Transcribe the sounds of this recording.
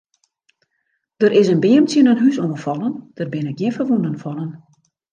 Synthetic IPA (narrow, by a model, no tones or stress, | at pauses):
d̥ərʔɪsənbɪəmtjənənɦysɔməfɔlˠənd̥ərbɪnɪk̚jɪnfərʋunənfɔlən